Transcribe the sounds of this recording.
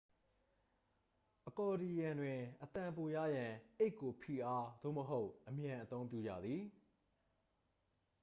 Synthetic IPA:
ʔəkɔ˨di˨jã˨ndwɪ̃˨ʔət̪ã˨mpo˨jä̰˦˨jã˨ʔe˦ɪkːo˨pʰḭ˨ʔa˦d̪̥o̰˦˨məɦo˦ʊʔʔəmjã˨ʔət̪õ˦ʊ̃mpjṵ˦˨d͡ʑä̰˦˨d̪ði˨

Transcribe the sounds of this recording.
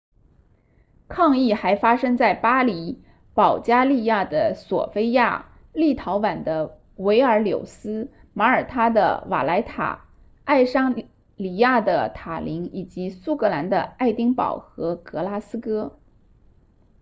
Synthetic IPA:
kʰɑ˥˧ŋi˥˩xa˧˥ɪfa˥ʂɤ˥ŋt͡sa˥˩ɪpa˥li˧˥ | pɑ˨˩ʊt͡ɕja˥li˥˧ja˥˩d̪ə˩swɔ̰˨˩fe˥ɪja˥˩ | li˥˩t̪ʰɑ˧˥ʊwa˨˩nd̪ə˦ | we˧˥ɪə˞˧˥ljo̰˨˩ʊsɹ̩˥ | ma˧˥ə˞˨˩t̪ʰa˥d̪ə̰˨˧wa̰˨˩la˧˥ɪt̪ʰa̰˨˩ | a˥˩ɪʂɑ˥ŋ | li˨˩ja˥˩d̪ə˩t̪ʰa˨˩li˧˥ŋi˨˩t͡ɕi˧˥su˥kɤ˧˥la˧˥nd̪ə˧a˥˩ɪt̪i˥ŋpɑ̰˨˩ʊxɤ˧˥kɤ˧˥la˥sɹ̩˥kɤ˥

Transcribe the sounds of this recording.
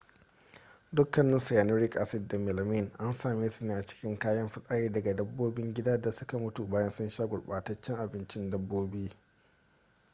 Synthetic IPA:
dʊ˦kːɐ˨nːɪ˦sa˨jaː˨nʊ˦ɾɪ˦kʔa˦sɪ˨dːa˨mɪ˨lmɪ˦˨nʔa˦nsaː˨meː˦su˨neː˦ʔa˨t͡ʃɪ̥˦kʲɪ˦ŋkaː˦jɐ˦mɸɪ˦sʼaː˦jeː˦dɐ˨ɡa˨dɐ˦bːoː˦bɪ˦ŋɡʲɪ˦daː˦da˨sʊ˦ka˨mʊ˦tu˨baː˦jɐ˦nsʊ˦nʃaː˦ɡʷʊ˨ɽɓaː˨tɐ˦t͡ʃːɛ˦ŋʔa˨bɪ˦nt͡ʃɪ˦ndɐ˦bːoː˦biː˦

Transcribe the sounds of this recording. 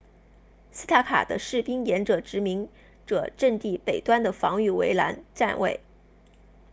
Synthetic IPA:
si˥t̪ʰa˥kʰa̰˨˩d̪ə̰˦ʂɻ̩˥˩pi˥ŋjɛ˧˥nʈ͡ʂɤ˨˩ʈ͡ʂɻ̩˧˥mi˧˥ŋ | ʈ͡ʂɤ˨˩ʈ͡ʂə˥˧ŋt̪i˥˩pe˨˩ɪt̪wa˥nd̪ə˨fɑ˧˥ŋy˥˩wḛ˧˥ɪla̰˧˥nʈ͡ʂa˥˧nwḛ˥˩ɪ

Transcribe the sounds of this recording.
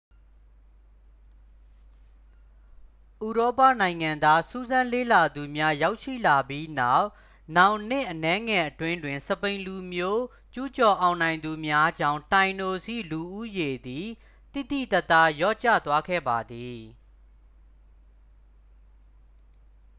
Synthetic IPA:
ʔu˨ɹɔ˦pa̰˦˨nã˨ɪ̃ŋã˨nd̪a˦su˦zã˦nlḛ˦˨la˨d̪u˨mja˦ja˦ʊʔʃḭ˦˨la˨bji˦na˦˨ʊʔ | nã˨ʊ̃nɪ̰̃˦˨ʔənɛ˨˦ŋɛ˨ʔətwɪ̃˦ndwɪ̃˨nsəpẽ˨ɪ̃lu˨mjo˦ | t͡ɕu˦t͡ɕɔ˨ʔã˨ʊ̃nã˨ɪ̃nd̪u˨mja˦d͡ʑã̰˦˨ʊ̃ntã˨ɪ̃no˨sḭ˦˨lu˨ʔu˦je˨d̪i˨ | t̪ḭ˦˨t̪ḭ˦˨t̪ɛ˦˨t̪ːa˦jɔ̰˦˨t͡ɕä̰˦˨t̪wa˦ɡʰɛ̰˦˨ba˨d̪i˨

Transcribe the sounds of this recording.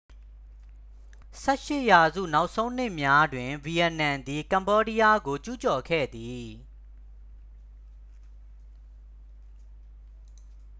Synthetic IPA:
sɛ˦ʔʃɪ˦˨ʔja˨zṵ˦˨na˦ʊʔsʰõ˦ʊ̃n̥ɪ˦ʔmja˦dwɪ̃˨vi˨ɛ˨nã˨nd̪i˨kã˨mbɔ˦di˦ja˦ɡo˨t͡ɕu˦t͡ɕɔ˨kʰɛ̰˦˨d̪i˨

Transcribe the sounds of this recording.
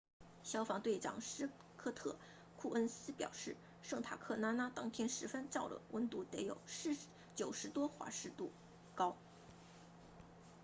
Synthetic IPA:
ɕjɑ˥ʊfɑ˧˥ŋt̪we˥˩ɪʈ͡ʂɑ̰˨˩ŋʂɻ̩˥ | kʰɤ˥˧t̪ʰɤ˥˩ | kʰu˥˩ʔə˥nsɹ̩˥pjɑ̰˨˩ʊʂɻ̩˥˩ | ʂɤ˥˩ŋt̪ʰa̰˨˩kʰɤ˥˩na˥na˥t̪ɑ˥˧ŋt̪ʰjɛ˥nʂɻ̩˧˥fə˥nʈ͡ʂɑ˥˩ʊlə̰˩wʔə˧˥nt̪u˧˥˩t̪ɛ˧˥ɪjo̰˨˩ʊʂ̩˥˩ | t͡ɕjo˨˩ʊʂɻ̩˧˥t̪wɔ˥xwa̰˧˥ʂɻ̩˥˧t̪u˥˩ | kɑ˥ʊ

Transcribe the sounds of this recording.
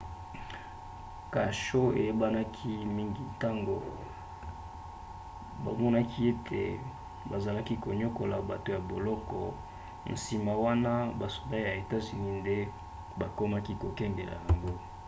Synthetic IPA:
ka˨ʃo˦ḛ˨je˦ba˦na˦kʰi˦mi˦ŋɡi˨ta˦ŋɡo̰˨ | ba̰˨mɔ˦na˦kʰi˦e˦tʰḛ˨ | ba˨za˨la˦ki˦ko˨ɲo˦ko˨la˨ba˨to˨ja˨bo˨lɔ˦kɔ̰˨ | n̩˨si˨ma˨wa˦na˦ba˨so̥˨ba˦ja˨e˨ta˦zi˨ni˦nde˦ | ba˨ko˦ma˦ki˦ko˨kɛ˦ŋɡe˨la̰˨ja˨ŋɡo˦

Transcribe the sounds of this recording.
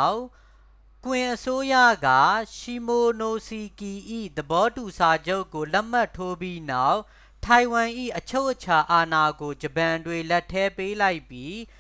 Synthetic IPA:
ʊ | kwɪ̃˨ʔəso˦jä̰˦˨ɡa̰˦˨ʃi˨mo˨no˨si˨ki˨ʔḭ˦˨d̪əbɔ˦tu˨sʰa˨d͡ʑo˦ʊkːo˨lɛ˦m̥a˦˨tʰo˦bji˦na˦˨ʊʔ | tʰa˨ɪ̃wã˨ʔḭ˦˨ʔət͡ɕʰo˦ʊʔət͡ɕʰa˨ʔa˨na˨ɡo˨d͡ʑəpã˨ndwẽ˨lɛ˦tʰːɛ˦pe˦la˦ɪpji˦

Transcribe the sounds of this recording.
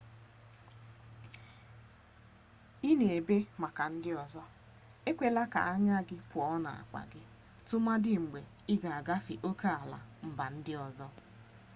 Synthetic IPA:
i˦ne˨e˨be˦ma˨ka˨n̩˦dɪ˦ɔ˨zɔ˦ | e˦kʷe˦la˦ka̰˨a˦ɲa˦ɡɪ˦pʊ˨ɔ˦na̰˨a̰˨kʷa̰˨ɡɪ˦ | tʊ˦ma˦dɪ˦ŋ͡m̩˨ɡ͡be˨ | ɪ˦ɡa˨a˨ɡa˦fi˨ʔo˦kʰa˦a˨la̰˨m̩˨ba˨n̩˦dɪ˦ɔ˨zɔ˦

